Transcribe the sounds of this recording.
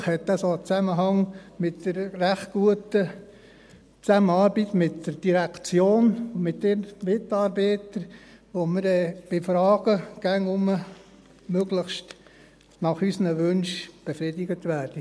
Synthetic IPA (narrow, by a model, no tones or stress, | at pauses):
χhɛt̪ːəsoət͡sæməɦɑŋmɪt̚d̥əɾræχt̚ɡ̥uətə | t͡sæmənɑːɾbitmɪtd̥əɾd̥iɾækt͡sjoːnʊmɪt̚denmɪtɑːɾbɛːtəɾʋoməɾɛːb̥ɪfɾɑːɡ̥əɡ̥æŋʊmə | møɡ̥ləχʃt | nɑχysənəʋɵnʃb̥efɾɪdɪɡət̪ʋæːɾd̥ə